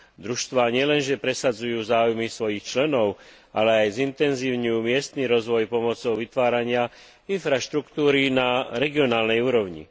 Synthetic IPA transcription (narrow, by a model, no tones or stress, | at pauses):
d̪ɾuʃt̪ʋaːɲɪɛlɛnʒɛpɾɛsad͡zujuːzaːujmisʋɔjixt͡ʃlɛnɔʊ | ʔalɛajzint̪ɛnziːʊɲiuːmɪɛst̪niɾɔzʋɔjpɔmɔt͡sɔʊʋit̪ʋaːɾaɲɪa | infɾaʃt̪ɾukt̪uːɾinaɾɛɡiɔnaːlnɛjuːɾɔʊɲḭ